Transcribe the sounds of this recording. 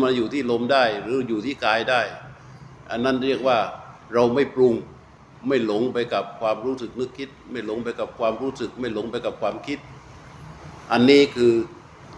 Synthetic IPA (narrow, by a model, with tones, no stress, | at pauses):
ma˧njuː˨˩t̪ʰiː˥˩lo˧mdaː˥˩jɾɯː˨˦juː˨˩t̪ʰiː˥˩kaː˧jdaː˥˩j | ʔa˧nːa˥˩nɾi˥˩ək̚waː˥˩ɾa˧wma˥˩jpɾu˧ŋ | ma˥˩jlo˨˦˥ŋpa˧jka˨˩p̚kʰwaː˧mɾuː˦˥sɯ˨˩k̚nɯ˦˥˩kʰːi˦˥t̪̚ma˥˩jlo˨˦ŋpa˧jka˨˩p̚kʰwaː˧mɾuː˦˥sɯ˨˩k̚ma˥˩jlo˩˦˥ŋpa˧jka˨˩p̚kʰwaː˧mkʰi˦˥t̪̚ | ʔa˧nːiː˥˩kʰɯː˧